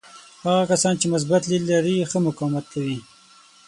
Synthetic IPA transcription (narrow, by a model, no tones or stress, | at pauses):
haɣakasɑnt͡ʃemʊs̬bat̪lilːaɾixəmʊkawmat̪̚kʰawi